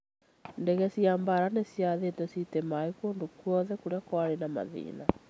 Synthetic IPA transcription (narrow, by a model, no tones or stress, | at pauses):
ndɛɣɛsiaːmbaɾanesjaðetɛsitemaekoːndokwɔðɛkuɾeakwaɾenama̰ðḭːna